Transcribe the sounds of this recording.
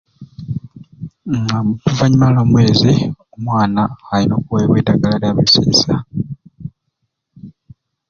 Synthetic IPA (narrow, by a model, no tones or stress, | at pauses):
ŋamutuvaɲimalamwe̞ːziomwaːnaːlino̞ːkuweβweːdaɡalaɾjaβesḛːsa